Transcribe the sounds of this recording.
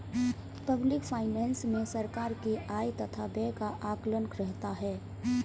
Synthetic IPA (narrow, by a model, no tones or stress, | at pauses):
pəblɪkfʰaːɪnɛːnsmẽsəɾkaːɾkeʔaːjt̪ɐt̪ʰabekaʔaːklənkɾɛɦt̪aɦɛː